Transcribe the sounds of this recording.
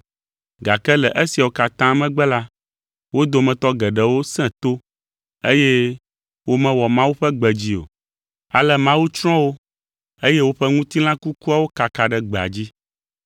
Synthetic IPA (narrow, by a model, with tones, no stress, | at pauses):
ɡa˨kɛ˦lɛ˨ʔe˦si˨a˨wo˦ka˨t̪ã˦mɛ̃˦ɡ͡bɛ˦la˦ | wo˦d̪o˦mɛ̃˨t̪ɔ˦ɡɛ˨ɖɛ˨wo˦sɛ̃˦t̪o˦ | e˦je˦ | wo˦mɛ̃˦wɔ˨mã˦wu˦ɸɛ˦ɡ͡bɛ˨d͡ʑi˦o̰˨ | a˨lɛ˦mã˦wu˦t͡ʃɾ̃ɔ̃˦wo˦ | e˦je˦wo˦ɸɛ˦ŋũ˦t̪i˦lã˦ku˦ku˦a˦wo˦ka˨ka˨ɖɛ˦ɡ͡bɛ˨a̰˨d͡ʑi˦